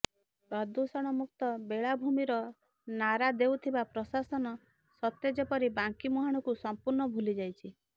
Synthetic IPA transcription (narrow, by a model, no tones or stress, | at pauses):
ɾɔd̪usɔɽ̃ɔmuk̚t̪ɔbeɭabʱumiɾɔ | naɾad̪ewt̪ʰibapɾɔsasɔnɔ | sɔt̪jɔd͡ʒepɔɾibaŋkimuɦaɽ̃ɔkusɔmpuɾnɔbʱulid͡ʒajt͡ʃʰi